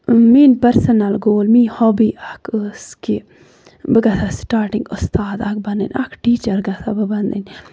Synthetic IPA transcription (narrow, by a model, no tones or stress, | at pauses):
minpɐɾsɐnɐlɡoːlmiːhɔbiːʔakəski | bəɡɐt̪ʰasʈaːɾʈĩŋɡʊst̪aːd̪ak̚bɐnd̪ə̰nʲʔa̰kʈiːt͡ʃɐɾɡɐt̪ʰabəbɐnd̪ə̰nʲ